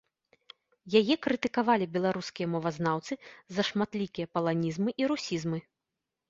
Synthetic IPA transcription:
jajɛkɾɨt̪ɨkavalʲibʲɛlˠaɾuskʲijɐmɔvɐznawt̪sɨzɐʂmat̪lʲikʲijɐpɐlˠanʲizmɨʔiɾusʲizmɨ

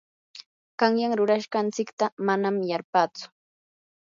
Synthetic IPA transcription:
ɢɑŋjaŋɾʊɾaʃɢɑnt͡sɪkt̪amanamjaɾpaːt͡sʊ̥

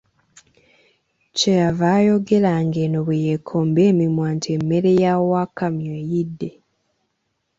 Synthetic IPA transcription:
cejavaːjo̞ɡe̞laŋɡeːnoβejekʰːoːmbeːmimwaːntʰiemːe̞ɾe̞jawakamjoːjidːe̞

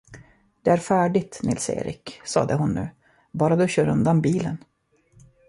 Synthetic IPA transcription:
d̪̥ɛæɾfæːɖɪt̪nʔɪlsḛːɾʔɪ̰ksɑ̰ːd̪əɦʊnːʉ̟ː | bɑːɾad̪ɵɕœːɾɵnd̪anbiːlən

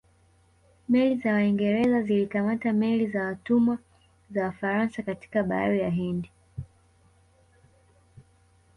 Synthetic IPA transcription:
mɛlizawaiŋɡɛɾɛzazilikamatamɛlizawatumwa | zawafaɾansakati̥kaɓaaɾijaɦɛndi

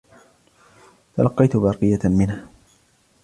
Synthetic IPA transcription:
t̪alɑqːɑjt̪bɑːqɨjamɪnha

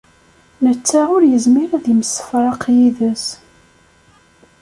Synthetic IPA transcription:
nət͡sːæʊɾjəzmiɾæðjimsə̥fɾˤɑqjiðəs

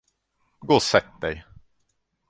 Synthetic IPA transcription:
ɡoːsɛt̪̚d̪ɛj

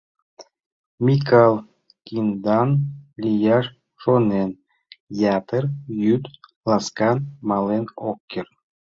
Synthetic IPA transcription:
mʲikɑlˠ | kʲind̪ɑnlʲijɑʃ | ʃonen | jɑt̪ərjyt̪ | lˠɑskɑnmɑlenokʲːer

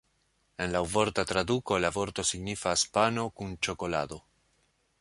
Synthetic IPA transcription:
e̞nlawvo̞ɾtat̪ɾaduko̞lavo̞ɾto̞siɡnifaspano̞kunt͡ʃo̞ko̞la̰do̞

